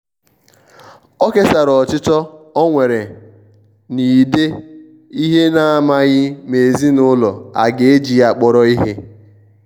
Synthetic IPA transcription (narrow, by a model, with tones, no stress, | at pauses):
ɔ˦ke˦sa˨ɾɔ˨t͡ʃɪ˦tɔ˦ɔ˦ŋʷe˨ɾe˨ | ni˨de˦ | i˦ɦe˦na˨a˨ma˦ɣɪ˦me˨zi˦nʊ˦lɔ˨a̰˨ɡe˨e˦d͡ʒi˨a˨k͡pɔ˨ɾɔ˦i˦ɦe˦